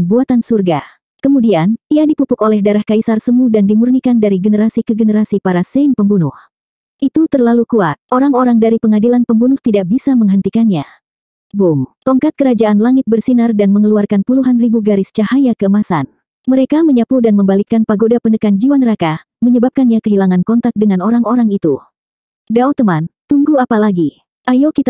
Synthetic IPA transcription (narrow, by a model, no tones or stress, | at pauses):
buat̪ansurɡa | kəmudianiadipupʊkolɛhdaɾahkaisarsəmudandimurnikandaɾiɡənəɾasikəɡənəɾasipaɾasɛnpəmbunʊh | ʔit̪ut̪ərlalukuat̪̚ʔoɾaŋoɾaŋdaɾipəŋadilanpəmbunʊht̪idak̚bisaməŋɦənt̪ikanɲa | bʊmkɔŋkat̪̚kəɾad͡ʒaanlaŋɪt̪̚bərsinardanməŋəluarkanpuluɦanribuɡaɾɪst͡ʃahajakəəmasa̰n | məɾekaməɲapudanməmbalikanpaɡodapənəkand͡ʒiwanəɾaka | məɲəbap̚kanɲakəɦilaŋankɔnt̪ak̚dəŋanoɾaŋoɾaŋit̪u | daot̪əmant̪uŋɡuapalaɡi | ʔajokit̪